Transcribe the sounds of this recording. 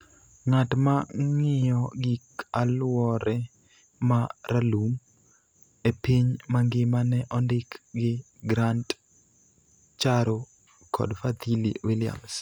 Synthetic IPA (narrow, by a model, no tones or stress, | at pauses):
ŋatmaŋɪjɔɡikalwɔɾɛ | maɾalum | epiɲmaŋɡɪmanɛʔɔndɪkɡɪ | ɡɾant | t͡ʃaɾo | kʰɔ̰dfad̪ilḭwilɪa̰ms